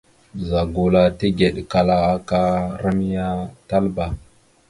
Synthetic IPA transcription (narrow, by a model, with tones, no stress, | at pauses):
za˨ɡo˨la˦ti˦ɡe˨ɗka˦la˦a˦ka˦ɾa˦mi˦ja˦ta˦lba˨